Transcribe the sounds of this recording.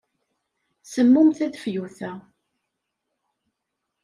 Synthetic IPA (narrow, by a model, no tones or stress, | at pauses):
səmːʊmθæðfjuθæ